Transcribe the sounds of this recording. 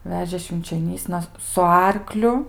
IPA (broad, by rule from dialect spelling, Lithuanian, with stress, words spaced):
ˈʋʲæːʒʲeː ʃʲʋʲɪnʲt͡ʃʲoːˈnʲiːsnɐ sʊ ˈɐrklʲʊ